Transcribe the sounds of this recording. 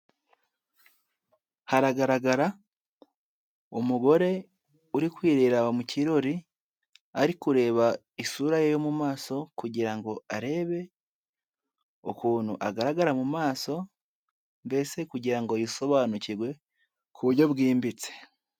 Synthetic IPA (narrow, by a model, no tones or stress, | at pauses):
haɾaɡaɾaɡaɾa | omuɡo̞ɾe̞ | uɾikwiːɾiɾaβamuciɾo̞ɾi | aɾikuɾe̞ːβa | isuɾajejo̞mumaːso̞kuɟiɾaŋɡo̞aɾe̞ːβe̞ | okuːnhṵʔaɡaɾaɡaɾamumaːso̞ | mbe̞se̞kuɟiɾaŋɡo̞jiso̞βaːnuciɾɡwe̞ | kʰuβuɾɟo̞βɡiːmbit͡se̥